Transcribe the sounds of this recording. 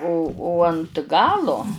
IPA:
oː oː ɐnt ˈɡɑːlˠoː

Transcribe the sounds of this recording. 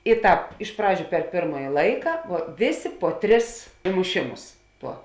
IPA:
ɪ ˈtɑːp ɪʃ ˈprɑːd͡ʒʲʊ pʲɛr ˈpʲeːrmɐjɪ ˈlˠɐɪkɐ ʋuɔ ˈʋʲeːˌsʲeː poː ˈtʲrʲɪs ɪmʊˈʃʲɪmʊs ˈtuɔ

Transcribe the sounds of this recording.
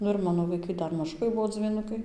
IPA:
ˈnʊ ɪr ˈmɑːnoː ʋɐɪˈkɐɪ ˈdɐr mɐˈʒʊkɐɪ ˈbuɔ d͡zʲʋʲiːˈnʊkɐɪ

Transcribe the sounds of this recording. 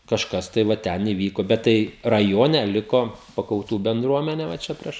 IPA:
kɐʃˈkɐs tɐɪ ʋɐ ˈtʲɛn iːˈʋʲiːkoː bʲɛt ˈtɐɪ rɐˈjoːnʲɛ ˈlʲɪkoː pɐkɐʊˈtuː bʲɛndruɔˈmʲæːnʲɛ ʋɐ ˈt͡ʃʲɛ ˈpʲrʲiɛʃ

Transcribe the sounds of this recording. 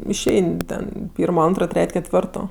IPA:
ɪʃʲˈɛɪnʲ ˈtʲɛn ˈpʲiːrmoː ˈɐntroː ˈtʲrʲɛtʲ kʲɛtʲˈʋʲɪrtoː

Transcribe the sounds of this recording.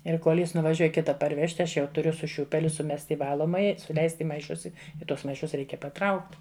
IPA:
ɪr ˈkoːlˠ ˈjɪs nʊʋɐˈʒʲuɔj ˈkʲɪtɐ pɐrʲˈʋʲæːʃʲtʲɪ ˈɐʃ jɛʊ tʊˈrʲʊ sʊ ˈʃʲuːpʲɛlʲʊ sʊˈmʲɛsʲtʲ ɪ ˈʋɑːlˠoːmɐjɛ sʊˈlʲɛɪsʲtʲ ɪ mɐɪˈʃʊs ˈɪ ɪ ˈtuɔs mɐɪˈʃʊs ˈrʲɛɪkʲɛ pɐˈtrɐʊkt

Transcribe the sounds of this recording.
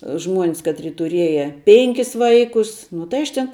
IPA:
ˈʒmuɔnʲs ˈkɑːtʲrʲɪ tʊˈrʲiɛjɛ ˈpʲɛŋʲkʲɪs ˈʋɐɪkʊs nʊ tɐɪ ˈɐʃ tʲɛn

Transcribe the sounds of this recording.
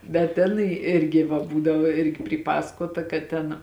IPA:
bʲɛt ˈtʲæːnɐɪ ˈɪrʲɡʲɪ ʋɐ ˈbuːdɐʋoː ˈɪrʲɡʲɪ pʲrʲiːˈpɑːsɐkoːtɐ kɐt ˈtʲɛn

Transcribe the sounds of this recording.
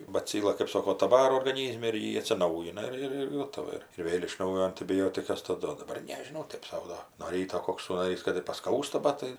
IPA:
bɐˈt͡sʲiːlˠɐ kɜp ˈsoːkoː tɐ ˈʋɑːroː oːrɡɐˈnʲiːzʲmʲɛ ɪr ˈjɪ ɐtʲsʲɪˈnɐʊjɪnɐ ˈɪr ɪr ˈɡoːtɐʋɐ ˈɪr ɪr ˈʋʲeːlʲ ɪʃ ˈnɐʊjoː ɐnʲtʲɪbʲɪˈjoːtʲɪkɐs tɐˈdʊ oː dɐˈbɐr nʲɛʒʲɪˈnɐʊ ˈtɜp sɐʊ ˈdoː nuɔ ˈrʲiːtoː ˈkoːks suːnɐˈrʲiːs kɐt ɪr pɐˈskɐʊstɐ ˈbɐt tɐɪ

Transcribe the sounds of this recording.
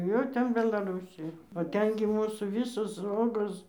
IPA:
ˈjɛʊ ˈtʲɛn bʲɛlˠɐˈrʊsʲɪjɛ oː ˈtʲɛn ɡʲɪ ˈmuːsuː ˈʋʲɪsoːs ˈoːɡoːs

